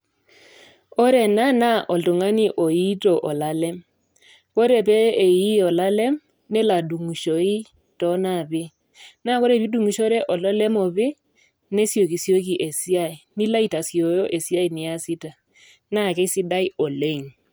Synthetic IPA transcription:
o˦ɾe˨na˦na˦ʔɔ˨ltu˨ŋa˦ni˨ʔo˨i˦tɔ˨ʔɔ˨la˦lɛ˦m | ko˦ɾe˨p̬eː˦˨ji˦ɔ˨la˦lɛ˦m | ne˦la˨du˨ŋu˨ʃo˨i˦ | tɔ˦na˨bɪ˦ | na˦˨ko˦ɾe˦˨pi˦du˦˨ŋu˨ʃo˦ɾe˦ʔɔ˨lɔ˦lɛ˦mɔ˨βɪ˦ | ne˦si˦o˨ki˨si˦o˦ki˨ʔe˨si˦a˦i˨ni˦la˦i˦ta˨si˨o˨jo˦ʔe˨si˦a˦i˨nɪ˨a˦si˦ta˨ | na˦˨ke˦si˦da˦i˦o˨le˦˨ŋ

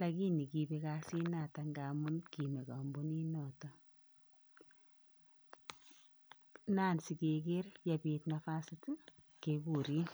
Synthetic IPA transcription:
la˨ki˦ni˨ki˨be˦kasi˦na˨ta˨ŋɡa˨mu˦nki˨me˨ka˨mbu˦ni˦nɔ˨tɔ˦ | na˦nsi˨keke˦rja˨pi˨tnafa˦sɪt | keku˨ɾi˦n

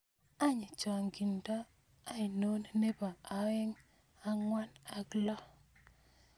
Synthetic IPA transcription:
a˦ɲɪ˨t͡ʃɔ˨ŋɡi˨ndɔ˦ | a˦i˨no˦n˦ne˦ba˨a˨wɪ˦ŋ | a˦ŋwa˦na˨klɔ˦

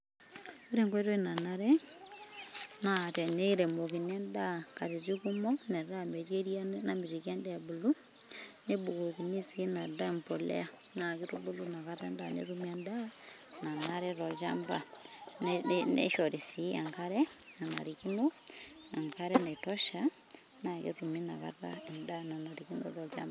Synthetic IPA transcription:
u˦ɾe˦˨ŋkwe˦ɾo˦i˦na˨na˦ɾɛ˦ | na˨tɛ˨ne˦ɾe˨mo˨ki˨ne˦nda˦ka˨ɾi˨zi˦ku˦mɔ˦mɛ˨ɾa˦˨me˨d͡ʒe˦ɾi˦a˦na˨mi˨ɾi˨ka˦ndɛ˦a˨bu˨lu˦ | ne˦bu˨ko˨ki˨ni˦si˨˦na˨da˦˨mpo˨lɛ̰˦a˦ | na˨ki˦ɾu˦bu˦lu˦na˨ka˦ɾa˦nda˦nḛ˦ɾu˦mi˦a˨nda˦ | na˨ŋa˦ɾe˦ɾɔ˨d͡ʒa̰˦mba˦nnḛ˦ʃɔ˨ɾi˨si˨a˨ŋka˦ɾɛ˦na˨na̰˨ɾi˨ki˦no˦ | a˨ŋka˦ɾɛ˦na˨i˨tɔ˦ʃa˦ | na˨kḛ˦ɾu˨mi˦na˨ka̰˦ɾa̰˦e˨nda˦na˨na˨ɾiki˦no̰˦ɾɔ˨d͡ʒa̰˦mba

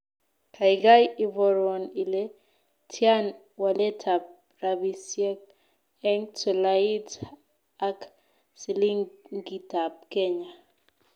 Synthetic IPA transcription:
kʰa˨ɪɡa˦jɪ˨vɔ˨ɾwɔ˨ni˨le˦ | tʰja˦n | wa˨le˦tʰa˨p̚ | ɾa˨bi˨sjɛ˦k̚ | ɛ˦ŋtɔ˨lai˦t | a˦k | si˨li˦ŋŋɡi˨ta˨p̚ke˦ɲa˨

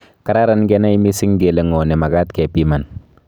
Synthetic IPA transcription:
ka˦ɾa˦ɾa˦nɡɛ˦na˦i˦mi˦sɪ˦ŋɡe˨le˨ŋɔ˨nɛ˨ma˨ka˦tkɛ˨pi˦ma˨n

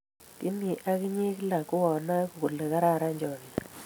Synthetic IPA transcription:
kɪ˦ni˨ʔa˦kɪ˦ɲe˦kla˨kʊ˦ɔ˨na˦ku˨ku˨le˨ka˦ɾa˦˨ɾa˦ɲd͡ʒɔ˨ni˨

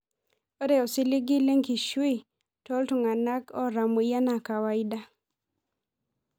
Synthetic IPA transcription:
o˦ɾe˨ɔ˨sɪ˦lɪ˦ɡɪ˦le˦ŋki˨ʃwi˦ | tɔ˦ltu˨ŋa˨na˦kɔ˦ɾa˨mo˨ja˦na˨ka˨wa˦ɪ˦da˦

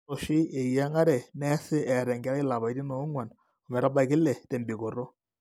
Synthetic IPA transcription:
ɔ˨ʃɪ˦e˨ja˦ŋa˦ɾɛ˨nɛ˦sɪ˦ʔɛ˨ɾɛ˨ŋɡɛ˨˦ɾa˦ɪ˦la˨ba˨i˦dɪ˦nɔ˨˦ŋwa˨n | ɔ˨mɛ˨ɾa˦ba˨kɪ˦lːɛ˨tɛ˨mbi˨ko˨ɾɔ˦

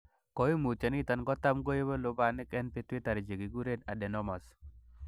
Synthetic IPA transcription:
kɔ˨ji˦mu˨t͡ʃa˨nɪ˦t̪a˨nkɔ˦t̪a˦mɡo˦je˦bɔ˦lʊ˦ba˦nɪ˦kɛ˦npɪ˦twɪ˦t̪a˨ɾɪ˨d͡ʒe˨ɡi˨ɡu˦ɾe˦na˨dɛ˨nɔ˦ma˨s

